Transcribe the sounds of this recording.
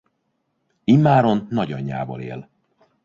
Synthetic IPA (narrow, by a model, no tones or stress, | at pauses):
imːaːɾo̞nːɒɟɒɲːa̰ːvɒ̰lḛːl